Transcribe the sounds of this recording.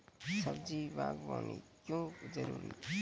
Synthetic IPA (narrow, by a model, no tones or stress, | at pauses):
səbd͡ʒibʱaɡbanikjõd͡ʒəɾuɾi